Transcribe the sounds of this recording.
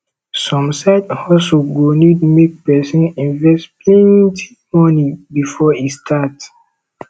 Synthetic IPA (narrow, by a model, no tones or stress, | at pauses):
sɔ̃msaɪdhɔsuɡonidmek̚pɛsĩnĩnvɛstpʰlɛ̃ntʰi̥ | mɔnibifɔistʰat